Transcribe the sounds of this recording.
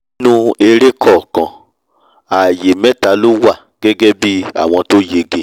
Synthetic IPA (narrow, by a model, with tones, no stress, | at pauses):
nũ˦e˧ɾe˦kʰɔ˦˨kã˨ | a˨je˨mɛ̃˦ta˨˦lo˦wa˦˨ | ɡ̥ɛ˦ɡɛ˦bi˦a̰˦˨w̃ɔ̃˧to˦je˧ɡe˧˨